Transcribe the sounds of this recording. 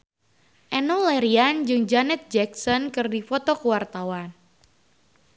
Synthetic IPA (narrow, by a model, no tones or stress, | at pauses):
ʔɛnɔlɛɾiand͡ʒɨŋd͡ʒanɛt̪̚d͡ʒɛksɔnkɨrdifɔt̪ɔkəwart̪awan